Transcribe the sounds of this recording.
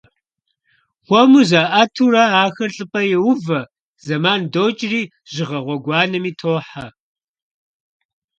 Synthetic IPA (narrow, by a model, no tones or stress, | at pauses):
χʷɔmuzaːʔatʰuːrɐaːxɐrɬʼɨpʼɐjɛwʊvɐ | z̥ɐmaːndoːt͡ʃʼɪriː | ʒ̥ɪʁɐʁʷɔɡʷɑːnɐmiːtʰoːħa